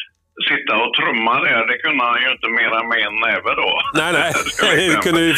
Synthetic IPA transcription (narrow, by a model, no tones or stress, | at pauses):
sɪt̪ːaɔt̪ʰɾɵmːad̪ɛɖ̪ɛkʰɵnd̪əhanjɵɪnt̪əmeːɾamɛːnɛːvəd̪ɔnæɪnɛɪ | kʰɵnd̪əvɪ